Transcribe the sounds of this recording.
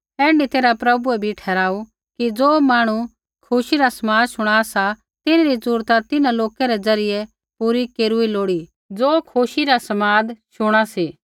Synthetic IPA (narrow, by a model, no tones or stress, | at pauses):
ɛ̃ːɳɖit̪eːɾapɾɐbuɛbʱiʈʰɛːɾaːu | kid͡zoːmaːɽ̃u | kʰʊʃiɾasɐmaːd̪ʃʊɽ̃aːsa | t̪ɪnɾisuːɾt̪at̪ɪnãloːkɛɾɛd͡zɐɾɪjɛ | puːɾikeːɾuiloːɽi | d͡zoːkʰuʃiɾasɐmaːd̪ʃʊɽ̃asiː